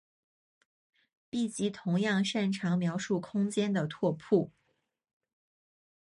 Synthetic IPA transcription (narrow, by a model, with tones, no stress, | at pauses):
pi˥˩t͡ɕi˧˥t̪ʰʊ˧˥ŋjɑ˥˧ŋʂa˥˩nʈ͡ʂʰɑ˧˥ŋmjɑ˧˥ʊʂu˥˩kʰʊ˥ŋt͡ɕjɛ˥nd̪ə˨t̪ʰwɔ˥˧pʰu˥˩